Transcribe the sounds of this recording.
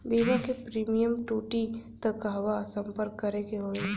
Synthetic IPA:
biːʋakepɾiːmijəmʈuːʈit̪ɐkɦɐʋasɐ̃mpəɾkːɐɾekeɦoːe

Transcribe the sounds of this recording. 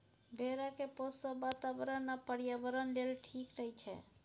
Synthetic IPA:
bʱeɾakeposəbat̪abəɾənːapəɾijabəɾənlelʈʰikɾəɦit͡ʃʰɛ̰

